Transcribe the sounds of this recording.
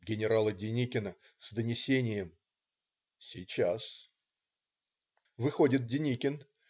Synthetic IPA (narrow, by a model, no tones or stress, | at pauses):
ɡʲɪnʲɪɾalˠədʲɪnʲikʲɪnə | sd̪ənʲɪsʲenʲɪjəm | sʲɪt͡ɕas | vɨxo̞dʲɪt̪̚dʲɪnʲikʲɪn